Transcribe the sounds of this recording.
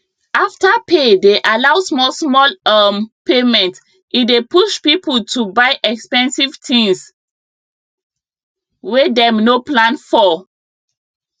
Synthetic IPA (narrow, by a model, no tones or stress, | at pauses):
aftapʰedeʔalawsmɔsmɔlampemɛ̃nt | idepuʃpipʰəltʰubaɪʔɛkspɛ̃nsivtʰĩŋs | wedɛmnoplãnfɔ